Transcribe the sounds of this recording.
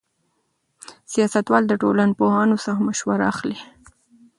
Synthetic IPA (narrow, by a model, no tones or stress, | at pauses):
sijɑsat̪wɑld̪əʈolanpohɑnosaamaʃwaɾa̰ːxli